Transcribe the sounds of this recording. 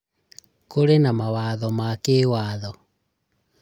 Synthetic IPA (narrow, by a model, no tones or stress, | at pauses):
koɾenamawaðɔmakeːwaːðɔ